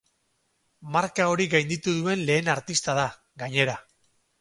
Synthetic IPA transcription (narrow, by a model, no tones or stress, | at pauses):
maɾkao̞ɾiɡajnd̪it̪uðue̞nle̞ːnaɾt̪ist̪aða | ɡaɲe̞ɾa